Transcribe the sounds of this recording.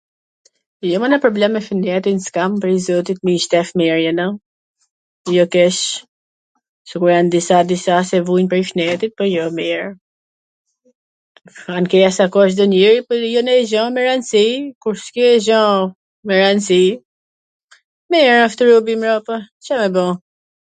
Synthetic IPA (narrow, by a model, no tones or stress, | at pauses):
jɔmɔnɛpɾɔblɛmːɛfinɛt̪inskampɾɛizɔt̪it̪̚miʃt̪ɛfmɛɾjɛna | jɔkɛʃ | səkuɾjand̪isad̪isasɛvunpɾɛjʃnɛt̪it̪̚pɔjɔmɛɾ | ankɛjasakɔʃ̬d̪ɔniɾipɔjɔnɛʒɔ̃mɛɾansikuɾskjɔɛʒɔ̃ | mɛɾansi | mɛɛɾaft̪ɾubimɾɔpɔ | t͡ʃɛmɛbɔ̃